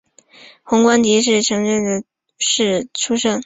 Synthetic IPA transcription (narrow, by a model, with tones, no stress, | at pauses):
xʊ˧˥ŋkwa˥nt̪i˧˥ʂ̬ɻ̩˥˩ʈ͡ʂʰɤ˧˥ŋɻə˥˩nd̪ə˩ | ʂɻ̩˥˩ʈ͡ʂʰu˥ʂɤ˥ŋ